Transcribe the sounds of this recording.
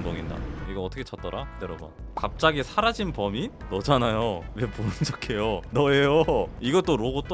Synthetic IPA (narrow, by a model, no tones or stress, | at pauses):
ŋdoŋinda̰iɡʌʌt͈ʰʌkʰet͡ɕʰʌt̚t͈ʌɾaneɾʌba̰kap̚t͡ɕ͈aɡisʰaɾad͡ʑinpʌminʌd͡ʑanajoweponɯnd͡ʑʌkʰe̞jonʌejoiɡʌt͈oɾoɡot͈